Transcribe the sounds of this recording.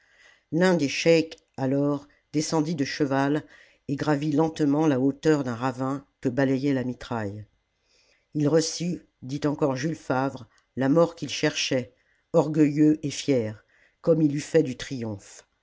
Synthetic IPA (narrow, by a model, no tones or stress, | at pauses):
lɛ̃d̪eʃɛk | alɔʁ | d̪esɑ̃d̪id̪əʃəval | eɡʁavilɑ̃t̪mɑ̃laot̪œʁd̪ɛ̃ʁavɛ̃kəbalɛjɛlamit̪χaj | ilʁəsy | d̪it̪ɑ̃kɔʁʒylfavʁ | lamɔʁkʲilʃɛʁʃɛ | ɔʁɡəjøʔefjɛʁ | kɔmilyfɛd̪yt̪χijɔ̃f